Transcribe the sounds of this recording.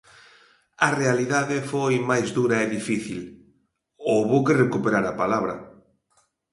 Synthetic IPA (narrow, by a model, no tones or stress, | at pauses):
ɐrealiðaðɪfojmajzðuɾɐeðifiθil | owβowkerekupeɾaɾapalaβɾɐ̰